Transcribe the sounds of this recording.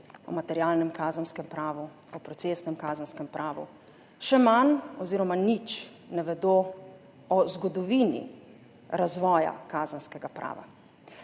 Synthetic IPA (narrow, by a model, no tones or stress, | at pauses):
ɔ̰mat̪ɛɾjaːlnɛmkaːzənskɛmpɾaːʋu | ɔpɾɔtseːsnɛmkaːzənskɛmpɾaːʋṵ | ʃɛmanɔziːɾɔmanit͡ʃ | nɛʋɛd̪oː | ɔzɡɔd̪ɔʋiːnḭ | ɾazʋɔːja̰kaːzənskɛɡapɾa̰ːʋa̰